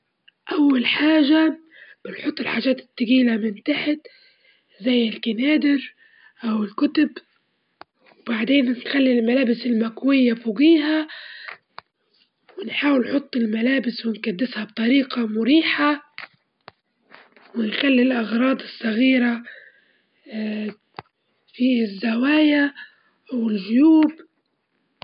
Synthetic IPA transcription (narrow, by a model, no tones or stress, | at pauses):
ʔawːalħaːʒa | b̥ɪnħʊt̪ˤːɪlħaːʒaːt̪ɪ̥t̪ːaɡiːlamɪnt̪aħɪt̪ | zajːɪlkanaːd̪ɪɾ | ʔawɪlkʊt̪ʊb | wbaʕd̪eːnnxalːilmalaːbɪsɪlmakwɪjːafuɡiːɦa | wɪnħaːwɪlnħʊt̪ˤːɪlmalaːbɪswɪnkad̪ːɪshab̚t̪ˤɑɾiːqamʊɾiːħa | wɪnxalːilʔɑɣɾˤɑːd̪ˤɨsˤːɑɣiːɾa | fiːzːawaːja | ʔawɪlʒʊjuːb